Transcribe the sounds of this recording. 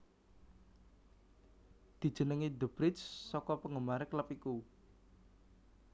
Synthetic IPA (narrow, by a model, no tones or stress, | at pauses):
d̪̥i̤d̥ʒ̥ə̤nəŋid̪əb̥ɾɪssɔkɔpəŋəmaɾəkləpiku